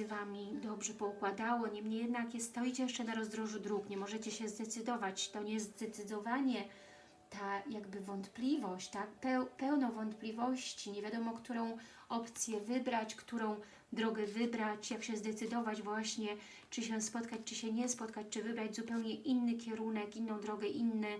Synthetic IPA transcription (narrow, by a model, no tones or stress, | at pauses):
vamʲid̪ɔbʐɛpɔukwad̪awɔɲɛmɲejɛd̪nakjɛst̪ɔjit͡ɕɛjɛʂt͡ʂɛnaɾɔzd̪ɾɔʐud̪ɾukɲɛmɔʐɛt͡ɕɛɕɛzd̪ɛt̪sɘd̪ɔvat͡ɕt̪ɔɲɛzd̪ɛt̪sɘd̪ɔvaɲɛ | t̪ajaɡbɘvɔnt̪plʲivɔɕt͡ɕt̪ak̚pɛwpɛwnɔvɔnt̪plʲivɔɕt͡ɕiɲevʲjad̪ɔmɔkt̪uɾɔ̃w̃ | ɔpt̪sʲjɛvɘbɾat͡ɕkt̪uɾɔ̃w̃ | d̪ɾɔɡɛvɘbɾat͡ɕjakɕɛzd̪ɛt̪sɘd̪ɔvad͡ʑvwaɕɲɛ | t͡ʂɘɕɛspɔt̪kat͡ɕt͡ʂɘɕɛɲɛspɔt̪kat͡ɕt͡ʂɘvɘbɾad͡ʑzupɛwɲɛʔinːɘkʲɛɾunɛkinːɔ̃w̃d̪ɾɔɡɛʔinːɛ